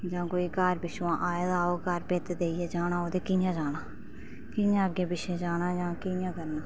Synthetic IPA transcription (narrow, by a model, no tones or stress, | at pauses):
d͡ʒãːkoːiːkaːɾbɪʃʋãːʔaːed̪aːoːkaːɾpeːt̪d̪eːiɛːd͡ʒaːnãːoːd̪eːkɪjãːd͡ʒaːnaː | kɪjãːəɡeːbɪʃẽːd͡ʒaːnaːd͡ʒãːkɪjãːkəɾnaː